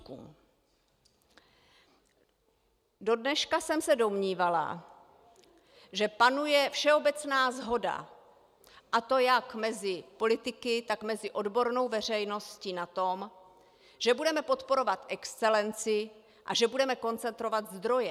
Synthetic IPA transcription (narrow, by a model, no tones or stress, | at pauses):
kṵːm | do̞dnɛʃkasɛmsɛdo̞mɲiːvala̰ | ʒɛpanujɛfʃɛo̞bɛt͡snaːzɦo̞da̰ | ʔat̪o̞jakmɛzɪpo̞lɪt̪ɪkɪt̪akmɛzɪʔo̞dbo̞ɾno̞wvɛr̝ɛjno̞scinat̪o̞m | ʒ̥ɛbudɛmɛpot̪po̞ɾo̞vat̪ʔɛkst͡sɛlɛnt͡sɪ | ʔa̰ʒɛbudɛmɛko̞nt͡sɛnt̪ɾo̞vat̪zd̪ɾo̞jɛ